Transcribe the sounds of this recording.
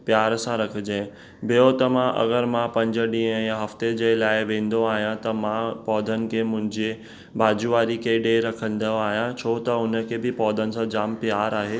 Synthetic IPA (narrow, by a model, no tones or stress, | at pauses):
pjaːɾsãɾɐkʰɪd͡ʑẽ | bʱɪjot̪ɐmãʔɐ̰ɣəɾmãpɐ̃ɲd͡ʑə̆ɗĩːə̃jãɦɐft̪ed͡ʑeːlaːɪʋẽːn̆d̪oaːɦijãt̪ɐmãpɔːd̪ʱənɪ̆kʰeːmʊ̃ɦɪ̃ɲd͡ʑe | bʱaːd͡ʑʊʋaːɾikeɖeɾɐkʰə̃n̆d̪əaːɦijãt͡ɕʰoːt̪ɐʊnə̆kʰeːbɪpɔːd̪ʱənɪ̆sãd͡ʑaːmpɪjaːɾaːɦeː